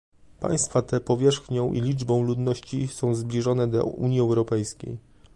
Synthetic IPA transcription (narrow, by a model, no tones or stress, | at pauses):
pa̰j̃st̪fat̪ɛpɔvʲjɛʂxɲɔ̃w̃ʔḭlʲid͡ʐbɔ̃w̃lud̪nɔɕt͡ɕisɔ̃w̃zblʲiʐɔnɛd̪ɔ̰ṵɲjiɛwɾɔpɛjskʲḛj